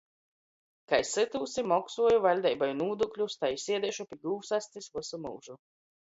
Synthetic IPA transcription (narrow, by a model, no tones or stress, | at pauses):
kajsɨt̪uːsimɔksuɔjuvalʲd̪ajbajnuːd̪uklʲust̪ajsiɛd̪ɛʃupʲiɡuːwsast̪ɨsvusumṵwʒu